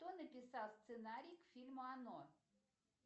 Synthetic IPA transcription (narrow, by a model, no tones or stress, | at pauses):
t̪onəpʲɪsɑlˠst̪sɨnaɾʲijkfʲilʲmʊano